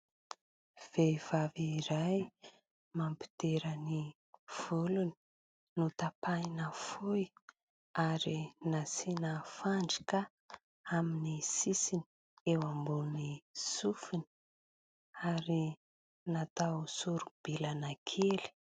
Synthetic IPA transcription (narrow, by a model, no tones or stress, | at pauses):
v̥ev̥aviɾaj | mampi̥t̪eɾəni | v̥uluni̥ | nut̪apanəfuj | aɾinasinəfaɳɖ͡ʐi̥kə | aminisisini | ewambunisufini | aɾi | nat̪awsuɾub̥ilanakʰeli̥